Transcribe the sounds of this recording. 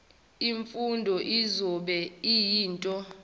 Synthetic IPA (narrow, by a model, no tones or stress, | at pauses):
iɱfundʱɔʔizɔɓɛijiːntʼɔ